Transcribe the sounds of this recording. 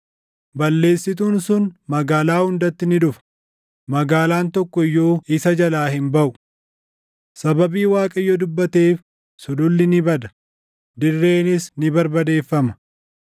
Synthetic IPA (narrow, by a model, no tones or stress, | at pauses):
bɐlːe̞ːsːɪt̪̬uːnsʊnmɐɡaːlaːhʊnd̪ɐt̪ːɪnɪᶑʊfɐ̥ | mɐɡaːlaːnt̪ɔkːɔɪjːo̞ːɪsɐd͡ʒɐlaːhɪmbɐʔʊ̥ | sɐbɐbiːwaːkʼɐɪjːoːd̪ʊbːɐt̪e̞ːf | sʊd̪ʊlːɪnɪbɐd̪ɐ̥ | d̪ɪrːe̞ːnɪsnɪbɐɾbɐd̪e̞ːfːɐmɐ